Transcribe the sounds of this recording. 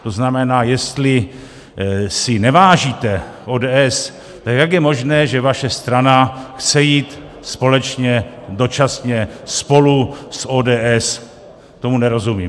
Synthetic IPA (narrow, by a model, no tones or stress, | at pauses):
t̪o̞znamɛnaːjɛst̪lɪ | sɪnɛvaːʒiːt̪ɛʔoːdɛːʔɛs | t̪akjaɡjɛmo̞ʒnɛːʒɛvaʃɛst̪ɾanaxt͡sɛjiːt̪ | spo̞lɛt͡ʃɲɛdo̞t͡ʃasɲɛspo̞lusʔoːdɛːʔɛs | t̪o̞munɛɾo̞zumiː